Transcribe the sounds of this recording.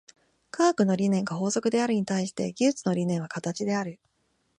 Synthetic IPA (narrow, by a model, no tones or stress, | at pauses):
kʰaːkɯ̟no̞ɾʲinẽ̞ŋɡaɦo̞ːzo̞kɯ̟d̪e̞aɾɯ̟ɲ̟it̪aiɕi̥t̪e̞̰ɡʲɨːt͡sɨno̞ɾʲinẽ̞ɰ̃β̞akat̪at͡ɕid̪e̞aɾɯ̟